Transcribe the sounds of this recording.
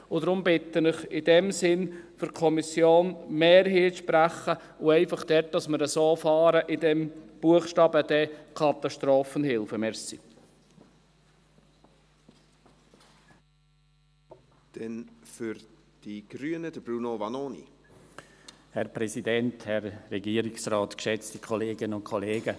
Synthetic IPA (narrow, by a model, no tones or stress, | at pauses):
ʊd̪ɾʊmbɪt̪ːənɪχɪdɛmsɪnfʏɾkʰɔmisjoːnmeːɾɦiːʃpɾæχə | ʊɛɪfɑχd̥ɛt̚d̥ɑsməɾəsoːfɑːɾəʔɪdɛmb̥uəχʃtɑːbəd̥̪ɛkʰɑt̪ɑʃtɾoːfənhɪlfəmɛɾsḭ | d̥ɛnfyɾd̥iɡ̥ɾyənəd̥əbɾunovɑnoːnḭ | hɛɾpɾɛsidɛnthɛrːɛɡiːəɾiksraːtkʃɛt͡stikʰɔleːɡɪnəʊntkʰɔleːɡə